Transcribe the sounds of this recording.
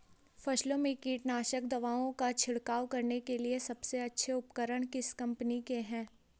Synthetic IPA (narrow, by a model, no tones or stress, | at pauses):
fɐʃlõmẽkiːʈnaːʃək̚d̪ɐʋaːõkat͡ʃʰɪɽkaːwkɐɾnekeliesɐbseɐtːʃʰeʊpkəɾəɳ̃kɪskɐ̃mpnikeɦɛ̃ː